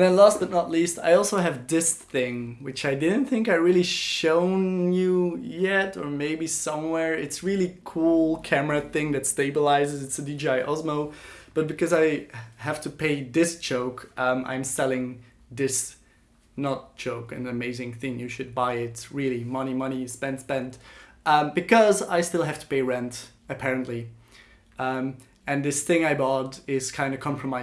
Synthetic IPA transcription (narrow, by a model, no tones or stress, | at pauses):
ɨ̃naɪlɔstɨtⁿnətˡlista̰ɪɔlˠsoʊɨvdɪsθɪ̃ŋwɨt͡ʃaɪdɪdⁿn̩θɪ̃ŋkaɪɹɪlˠiʃõʊ̃njɨjɛɾə˞meɪbisʌ̃mwɛɹɪtsɹɪlˠikʰulˠkʰæmə˞ɨθɪ̃ŋðɨtsteɪbəlaɪzɨzɨtsɨdid͡ʒaɪʔɑzmoʊb̥ʌt̚b̥ɨkʰʌzaɪɦæftʰɨpʰeɪðɪsʒ̥oʊkʔʌ̃mʔã̰ɪ̃msɛlˠɪ̃ŋ | ðɪs | nət̚d̥ʒ̥oʊkɨ̰̃nɨmeɪzɪ̃ŋθɪ̃ŋjɨʃɨd̚baɪɪtɹɪlˠimʌñimʌɾ̃ispɛ̃nd̥spɛ̃ndʌbɨkʰʌza̰ɪstɪlˠɦæftʰə̥pʰeɪɹɛ̃nt | ɨpʰɛɹɨ̃nʔli | ʌ̃ | ɨ̃nðɪsθɪ̃ŋaɪbɑdɪz̥kʰãɪ̃ndɨkʰɑ̃mpʰɹ̥əmaɪ